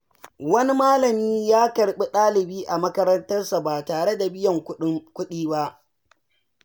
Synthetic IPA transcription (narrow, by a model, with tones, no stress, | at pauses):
wɐ˦ni˦maː˦lɐ˨miː˦jaː˦kɐ˨ɽɓe˦ɗaː˦lɪ˨biː˦ʔa˨mɐ˦kɐ˦ɾɐ˦ntɐ˦rsa˨baː˨taː˨ɽe˦da˨bɪ˦jɐ˨ŋ˦kʷʊ˦ɗiː˦ba˦ʔ